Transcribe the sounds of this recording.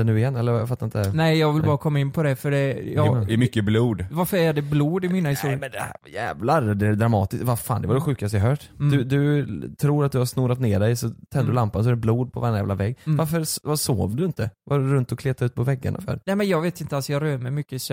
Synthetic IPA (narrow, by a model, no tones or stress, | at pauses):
ɛnʉ̟ːɪjɛnːɛlːəɾvjafat̪ːaɾɪnt̪ɛnɛɪjɑːɡvɪlbɑːɾakʰɔmːaɪnːpʰɔd̪ɛfœɖɛjɑɛmʏkːəbluːd̪vaɾfəɾædɛbluːd̪ɪmiːnahɪst̪uːɾmɛnd̪ɛhæjɛ̰ːvlaɾd̪ɛæɾd̪ɾamɑ̰ːt̪ɪst̪vaɾfa̰ːnd̪ɛvaɖɛɧʉ̟ːkast̪jaɦœːʈd̪ɵd̪ɵt̪ʰɾuːɾat̪̚d̪ɵhaɾsnuːɾat̪neːɖɛjɔsɔt̪ʰɛnd̪əɾɵlampans̬ɔɾɛbluːd̪̚pʰɔ̰va̰ɾanjæ̰ːvlavɛɡːvaɾfəɾvaso̰ːvd̪ɵɪnt̪əvɑɖɵɾɵnt̪ɔkʰleːt̪aʉ̟ːt̪̚pʰɔvɛɡːa̰ɳʔa̰fœ̰ːɾnɛmɛnjɑːɡveːt̪ɪnt̪əalsɔjɑɾøːɾmɛjmʏkːəɪs